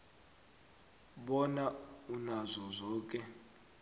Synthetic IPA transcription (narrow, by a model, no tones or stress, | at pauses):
ɓɔnaunazɔzɔːk̬ʼɛ